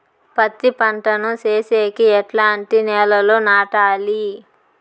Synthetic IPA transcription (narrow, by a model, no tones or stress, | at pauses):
pɐt̪ːipɐɳʈɐnut͡ʃeːseːkiɛʈlaːɳʈinɛːlɐlo̞ːnaːʈaːli